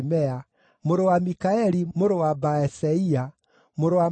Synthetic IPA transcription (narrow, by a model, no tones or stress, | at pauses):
mɛa | moɾowamikaeɾimoɾowabaeseia | moɾowa